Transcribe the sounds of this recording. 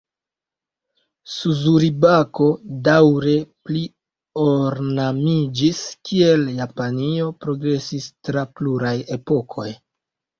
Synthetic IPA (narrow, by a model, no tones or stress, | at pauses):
suzuɾibako̞dawɾe̞pli | oɾnamid͡ʒiskie̞ljapanio̞pɾo̞ɡɾe̞sistɾapluɾaje̞po̞kʰo̞j